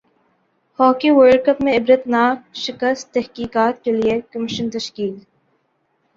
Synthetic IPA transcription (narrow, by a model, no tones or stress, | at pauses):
hɔːkiwəɾɖkəpmẽɪbɾət̪naːk̚ʃɪkəst̪t̪ɛɦkiːkaːt̪keliekɐmɪʃənt̪ɐʃkiːl